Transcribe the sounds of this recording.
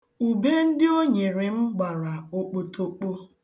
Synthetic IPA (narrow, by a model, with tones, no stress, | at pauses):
u˨be˦n̩˦dɪ˦o˦ɲe˨ɾe˨ŋ͡m̩˦ɡ͡ba˨ɾa˨o˨k͡po˨tʰo˨k͡po˦